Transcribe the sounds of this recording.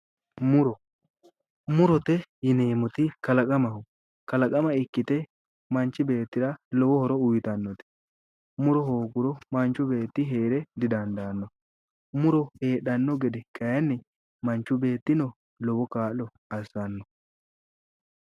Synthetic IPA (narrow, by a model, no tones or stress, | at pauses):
mʊɾɔ | mʊɾɔt̪ɛjɪneːmɔt̪ɪkɐlɐkʼɐmɐɦʊ | kɐlɐkʼɐmɐɪkːɪt̪ɛ | mɐnt͡ʃːɪbe̞ːt̪ːɪɾɐlɔwɔhɔɾɔʊjɪt̪ɐnːɔt̪ɪ̥ | mʊɾɔhoːɡʊɾɔmɐnt͡ʃːʊbe̞ːt̪ːɪɦeːɾɛd̪ɪd̪ɐnd̪aːnːɔ | mʊɾɔhe̞ːɗɐnːɔɡɛd̪ɛkʰʼɐjɐnːɛ | mɐnt͡ʃːʊbe̞ːt̪ːɪnɔ | lɔwɔkaːlːɔ | ɐsɐnːɔ